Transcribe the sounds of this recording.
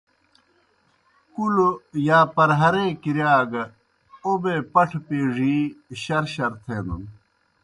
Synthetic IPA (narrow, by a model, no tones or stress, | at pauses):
kuljaːpɐɾɦɐɾẽːkiɾjaːɡɐ | obeːpɐʈʰpeːʐiːɕɐɾɕɐɾt̪ʰeːnṵn